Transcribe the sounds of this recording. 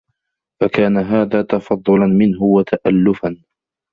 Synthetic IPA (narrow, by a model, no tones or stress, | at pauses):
wakaːnaɦaːðaːt̪ɑfɑd̪ˤːʊlanmɪnɦʊwat̪ʰaʔalːʊfan